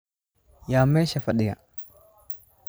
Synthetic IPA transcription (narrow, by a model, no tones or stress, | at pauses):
jamɛʃafaɗija̰